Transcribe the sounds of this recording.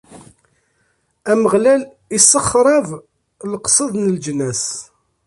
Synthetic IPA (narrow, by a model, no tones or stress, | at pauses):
æməʁlæl | isːəχːɾˤɑv | lqsˤəðˤnəld͡ʒnæs